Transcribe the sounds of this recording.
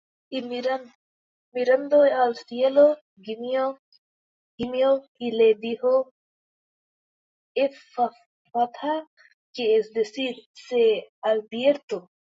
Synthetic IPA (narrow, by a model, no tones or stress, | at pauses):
iɾ | miɾand̪ojalsielo | ɡimio | ɡ̥imio | ilediho | efa | fat̪ʰa | kiesd̪esidsealbieɾt̪o